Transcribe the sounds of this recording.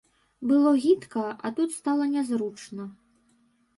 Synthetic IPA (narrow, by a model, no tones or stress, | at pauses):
bɨlˠɔɣʲit̪kɐʔɐt̪ut̪st̪alˠɐnʲazɾut͡ʂnɐ